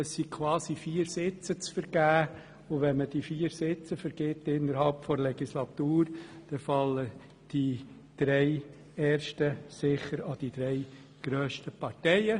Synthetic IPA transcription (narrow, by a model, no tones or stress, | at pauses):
əssikʰwɑːsifiːəɾsɪt͡sət͡sfəɾɡ̥æː | ʊʋɛnməd̥ifiːəɾsɪt͡səfəɾɡ̥ɪtːɪnːəɾhɑlpfɔɾlɛɡislɑt̪uːrd̥ɛfɑlːə | d̥i | d̪̥ɾɛɪ | ɛːɾʃtəsɪχəɾɑd̥id̥ɾɛɪ | ɡ̥ɾøːʃtəpɑrtɛɪə